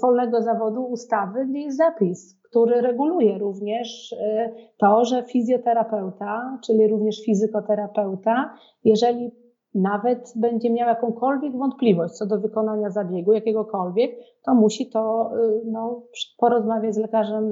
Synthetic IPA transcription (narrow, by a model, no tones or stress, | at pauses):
vɔlnɛɡɔzavɔd̪uːst̪avɘɛzzapʲis | kt̪uɾɘɾɛɡulujɛɾuvɲɛʂ | t̪ɔʐɛfʲizʲjɔt̪ɛɾapɛwt̪at͡ʂɘlʲiɾuvɲɛʂfʲizɘkɔt̪ɛɾapɛwt̪a | jɛʐɛlʲi | navɛt̪bɛɲd͡ʑɛmʲjawjakɔ̃w̃kɔlvʲjɛɡvɔnt̪̚plʲivɔɕt͡ɕt̪sɔd̪ɔvɘkɔnaɲazabʲjɛɡujakʲɛɡɔkɔlvʲjɛk̚t̪ɔmuɕit̪ɔnɔpʂpɔɾɔzmavʲjad͡ʑzlɛkaʐɛm